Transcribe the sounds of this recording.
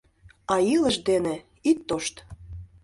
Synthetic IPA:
ɑiləʃd̪enĕ | it̪ːoʃt̪

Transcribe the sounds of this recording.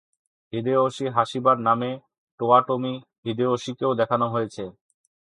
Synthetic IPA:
bid̪eoʃiɦaʃibaɾname | ʈoaʈomi | ɦid̪eoʃikeod̪ɛkʰanoɦojet͡ɕʰe

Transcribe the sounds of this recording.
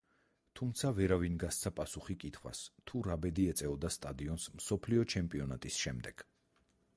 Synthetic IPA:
t̪ʰumt̪sʰavɛɾavinɡast̪sʰapʼasuχikʼit̪ʰχwa̰st̪ʰuɾabɛd̪iɛt̪sʼɛɔd̪ast̪ʼad̪iɔnsmsɔpʰliɔt͡ʃʰɛmpʼiɔnat̪ʼisʃɛmd̪ɛɡ̥

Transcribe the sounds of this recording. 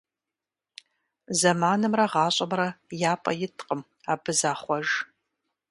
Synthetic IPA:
zɐmaːnɨmrɐʁɑːɕʼɐmrɐjaːpʼɐ̰jɪtʰʼqʼəm | aːbɨzaːχʷɔʒ

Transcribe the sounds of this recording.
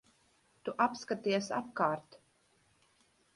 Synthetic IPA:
t̪uʔapskat̪iɛsa̰p̚kaːɾt̪

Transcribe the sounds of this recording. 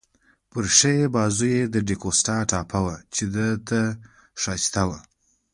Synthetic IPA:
pəɾʂejebɑzujed̪əɖekosʈɑʈɑpʰawat͡ʃed̪ət̪a | ʂɑt͡ʃt̪awa

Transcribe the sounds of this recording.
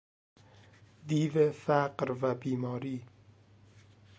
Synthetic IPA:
d̪iːvefæqɾvæbiːmɒːɾiː

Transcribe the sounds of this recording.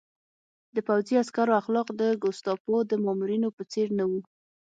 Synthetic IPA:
d̪əpawziaskaɾoaxlɑqd̪əɡʊst̪ɑpod̪əmɑmuɾinopət͡seɾnawu

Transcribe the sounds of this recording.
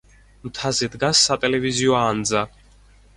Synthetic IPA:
mt̪ʰazɛd̪ɡasːat̪ʼɛlɛviziɔand̪za

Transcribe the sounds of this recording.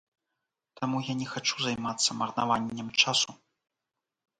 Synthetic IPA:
t̪amujanʲɛxat͡ʂuzajmat̪sːɐmɐrna̰vanʲːɛmt͡ʂasu

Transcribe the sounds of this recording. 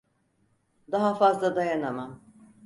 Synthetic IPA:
d̪aɦafazlˠad̪ajanamam

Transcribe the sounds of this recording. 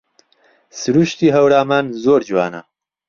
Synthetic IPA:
sɨɾuːʃt̪iːɦɐwɾaːmaːnzoːɾd͡ʒwaːnɐ̰

